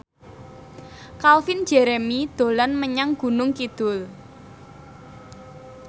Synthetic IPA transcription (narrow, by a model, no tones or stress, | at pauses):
kalfin̥d͡ʒ̥ɛɾemid̪̥o̤lanməɲaŋɡ̥ṳnʊŋkid̪̥ʊl